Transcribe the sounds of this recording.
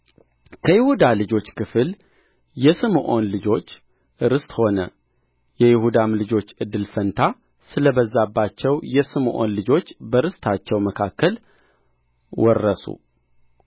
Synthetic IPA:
kʰəjɪhud̪alɨd͡ʒo̞t͡ʃːkʰɨfɨl | jɛsɨmʔo̞nlɨd͡ʒo̞t͡ʃː | ɨɾɨst̪ho̞nə̰ | jɛjɪhud̪amlɨd͡ʒo̞t͡ʃːɨd̪ːɨlfənt̪ʰa | sɨləbəzːabːat͡ʃːɛwjɛsɨmʔo̞̰nlɨd͡ʒo̞t͡ʃːbəɾɨst̪ʰat͡ʃːɛwməkʰakːəl | wɔrːəsṵ

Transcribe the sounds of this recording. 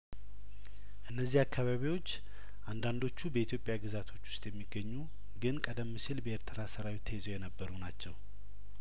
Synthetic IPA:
ʔɨnːəzːihakʰːaβaβiwo̞t͡ʃː | ʔand̪and̪o̞t͡ʃːubəit̪ʰjo̞pʼjaɡɨzat̪ʰo̞t͡ʃːwʊ̥st̪ʼjɛmːiɡːəɲːu | ɡɨnkʼəd̪əmːɨsilbəeɾt̪ʰɨɾasəɾawit̪ʰəhezojɛnəbːəɾunat͡ʃːɛw

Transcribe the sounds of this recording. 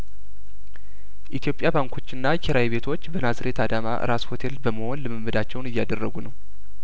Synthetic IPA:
ʔit̪ʰijo̞pʼjabaŋkʰo̞t͡ʃːɨnːakʰeɾawiβe̞t̪ʰo̞t͡ʃːbənazɨɾe̞t̪ʰad̪ama̰ʔɨ̰ɾasho̞t̪ʰe̞lbəməho̞nlɨmɨmːɨd̪at͡ʃːɛwnɨjːad̪ərːəɡunəw

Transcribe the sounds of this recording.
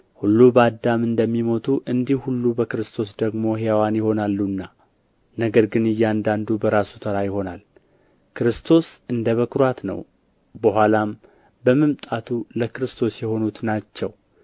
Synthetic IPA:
hulːubəad̪amɨnd̪əmːimo̞t̪ʰuʔɨnd̪ihhulːubəkɨɾɨst̪ʰo̞sd̪əɡmo̞ɦeawanjɪho̞nalːunːa | nəɡəɾɡɨnɨjːand̪and̪ubəɾasu̥t̪ʰəɾajɪho̞nal | kɾɨst̪ʰo̞sɨnd̪əβəkɾwat̪nə̰w | bəɦʷalam | bəməmt̪ʼat̪ʰuləkɨɾɨst̪ʰo̞sjɛho̞nut̪nat͡ʃːɛw

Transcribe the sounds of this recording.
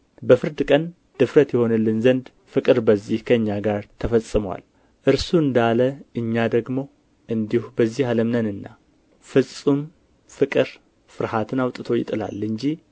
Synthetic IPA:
bəfɨɾd̪ɨkʼən | d̪̥ɨfɾət̪jɛho̞nɨlːɨnzənd̪ | fɨkʼɨɾbəzːihkʰəɨɲːaɡaɾt̪ʰəfəsʼɨməwa̰l | ʔɨɾsuɨnd̪aləʔɨɲːad̪əɡmo̞ | ʔɨnd̪ihubəzːihaləmnənɨnːa̰ | fɨsʼum | fɨkʼɨɾ | fɨɾhat̪ʰɨnawt̪ʼɨt̪ʰo̞jɪ̰t̪ʼɨla̰lɨɲd͡ʒi

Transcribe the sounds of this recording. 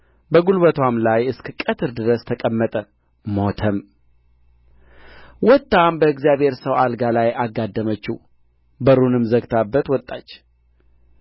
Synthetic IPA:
bəɡulbət̪ʰwamlajɨskɨkʼət̪ʰɨɾd̪ɨɾəst̪ʰəkʼəmːət̪ʼə | mot̪ʰəm | wɔt̪ʼːambəɨɡzjaβhe̞ɾsəwalɡalajʔaɡːad̪ːəmət͡ʃːu | bəɾunɨmzəɡt̪ʰabːət̪wɔt̪ʼːat͡ʃː

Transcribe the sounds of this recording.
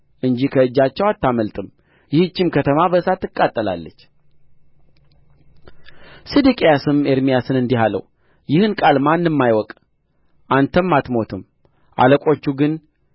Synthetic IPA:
ʔɨɲd͡ʒikʰəɨd͡ʒːat͡ʃːɛwat̪ːaməlt̪ʼɨm | jɪhɨt͡ʃːɪmkʰət̪ʰəmabəsat̪ːɨkʼːat̪ʼːəla̰lːət͡ʃː | sid̪ikʼejasɨmeɾmijasɨnɨnd̪iɦalə̰w | jɪhɨnkʼalmanːɨmːajwɔkʼ | ʔant̪ʰəmːat̪mo̞t̪ʰɨm | ʔa̰ləkʼo̞t͡ʃːuɡɨn

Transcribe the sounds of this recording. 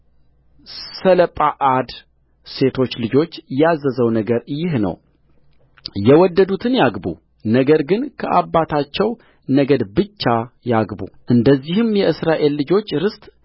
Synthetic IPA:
sələpʼaʔad̪ | se̞t̪ʰo̞t͡ʃːlɨd͡ʒo̞t͡ʃːjazəzəwnəɡəɾjɪhnə̰w | jɛwɔd̪ːəd̪ut̪ʰɨnjaɡbṵ | nəɡəɾɡɨnkʰəʔabːat̪ʰat͡ʃːɛw | nəɡəd̪bɨt͡ʃːajaɡbṵʔɨnd̪əzːihɨmjɛʔɨsɾaʔe̞lːɨd͡ʒo̞t͡ʃːɾɨst̪ʼ

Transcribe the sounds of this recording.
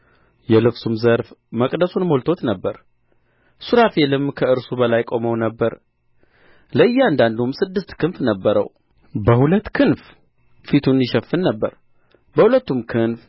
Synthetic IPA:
jɛlɨfsumzəɾfməkʼd̪əsunmo̞lt̪ʰo̞t̪nəbːəɾ | suɾafelɨmkʰəɨɾsubəlajkʼo̞məwnəbːəɾ | ləɨjːɛand̪and̪umsɨd̪ːɨst̪kʰɨnfnəbːəɾə̰w | bəhulət̪ːkʰɨnf | fit̪ʰunjɪʃəfːɨnːəbːə̰ɾ | bəhulət̪ːumkʰɨnf

